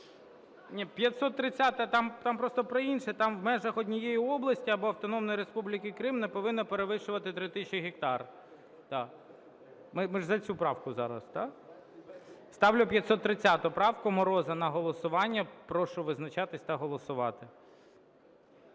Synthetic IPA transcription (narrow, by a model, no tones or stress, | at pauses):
nʲipʲjɐt̪ʲsɔt̪ːɾɪt͡sʲːat̪ɐt̪ɑmt̪ɑmpɾɔst̪ɔpɾɔinʃɛt̪ɑmwmɛʒɐxɔdʲnʲijejiɔblˠɐsʲtʲiɐbɔɐwt̪ɔnɔmnɔjɾespublʲikɪkɾɪmnɛpɔʋɪnːɐpeɾeʋɪʃʊʋɐt̪ɪt̪ɾɪt̪ɪt͡ʃɪɦʲɪkt̪ɑr | t̪ɑ | mɪmɪʒzɐt͡sʲupɾɑwkʊzɑ̰ɾɐ̰st̪ɑ | st̪ɑwlʲʊpʲjɐt̪ʲsɔt̪ːɾɪt͡sʲːat̪ʊpɾɑwkʊmɔɾɔzɐnɐɦɔlˠɔsʊʋɑnʲːɐpɾɔʃʊʋɪznɐt͡ʃɑt̪ɪsʲt̪ɐɦɔlˠɔsʊʋɑ̰t̪ɪ